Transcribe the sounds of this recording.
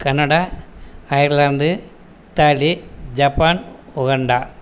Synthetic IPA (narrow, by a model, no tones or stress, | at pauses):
kɐnɐɽɐ | ɐjiɾland̪ɨ | t̪aːlid͡ʑɐpːaːnuɣɐɳɖɐ